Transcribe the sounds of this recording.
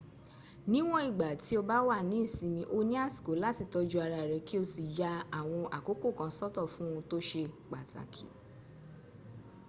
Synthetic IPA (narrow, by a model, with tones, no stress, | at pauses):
nĩ˦w̃ɔ̃˦i˦˨ɡ͡ba˨ti˨˦o˧ba˦wa˦˨nĩ˨˦i˦˨sĩ˨˧mĩ˧ʔo˧nĩ˦a˦˨si̥˨ko˨˦la˦ti˧tɔ˧d͡ʒu˧a˧ɾa˧i˨ɾɛ˨˧ki˦o˧si˨ja˦a˦˨w̃ɔ̃˧ʔa˨ko˨˦ko˦˨kã˨˦sɔ˦tɔ˦˨fũ˦ũ˧to˦ʃe˧k͡pa̰˨ta̰˨kʰḭ˨˦